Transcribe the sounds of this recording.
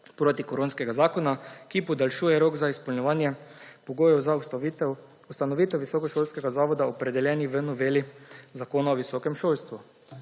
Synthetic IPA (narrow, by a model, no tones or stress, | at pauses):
pɾoːt̪ikoɾoːnskɛɡazaːkɔnakipɔd̪alʃuːjɛɾoːɡzaispɔlɲɛʋaːnjɛpoɡoːjɛwza | ust̪anɔʋiːt̪ɛwʋisɔkɔʃolskɛɡazaːʋɔd̪aopɾɛd̪ɛljɛːniʋənɔʋeːlizakoːnaoʋisokɛmʃoːlst̪ʋu